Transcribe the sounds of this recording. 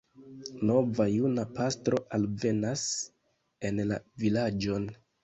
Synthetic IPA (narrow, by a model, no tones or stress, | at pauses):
no̞vajunapastɾo̞ʔalve̞nas | e̞nla̰vilad͡ʒo̞n